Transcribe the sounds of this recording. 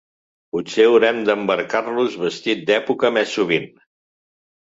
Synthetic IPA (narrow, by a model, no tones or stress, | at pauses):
putseəwɾɛmd̪əmbəɾkaɾluzβəst̪it̪̚d̪ɛpukəmɛsːuβ̞in